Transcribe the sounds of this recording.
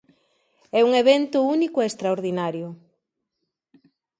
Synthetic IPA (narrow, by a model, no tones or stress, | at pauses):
ɛuŋeβent̪ʊunikʊeːst̪ɾaoɾðinaɾjʊ